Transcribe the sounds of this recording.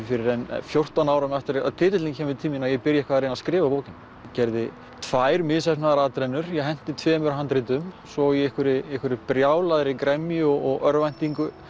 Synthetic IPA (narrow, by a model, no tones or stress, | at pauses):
fɪɾɪɾɛn̰fjowr̥t̪anaːwɾamaft̪ɪɾa̰ðt̪ʰɪːt̪ɪt̪liŋcʰɛːmʏɪt̪ʰiminajɛpɪɾjaɛhkvaðɾɪnaðskɾɪːvapoːwcɪn | cɛɾðɪ | t̪ʰvaːjɾmɪðsɛpnaðaɾaːt̪ɾɛnːʏɾ̥jɛɦɛn̥t̪ɪt̪ʰvɛːmʏɾaɦant̪ɾɪt̪ʏm | sɔiɛhkʏɾɪɛhkʏɾɪpɾjaːwlaðɾɪkɾɛmjʏɔɔɣœɾvajn̥t̪iŋkʏ